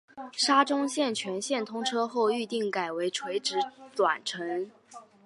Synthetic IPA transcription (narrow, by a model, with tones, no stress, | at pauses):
ʂa˥ʈ͡ʂʊ˥ŋɕjɛ˥˩nt͡ɕʰɥɛ˧˥nɕjɛ˥˩nt̪ʰʊ˥ŋʈ͡ʂʰɤ˥xo˥˧ʊy˥˧t̪i˥˩ŋka˨˩ɪwe˧˥ɪʈ͡ʂʰwe˧˥ɪʈ͡ʂɻ̩˧˥t̪wa̰˨˩nʈ͡ʂʰɤ˧˥ŋ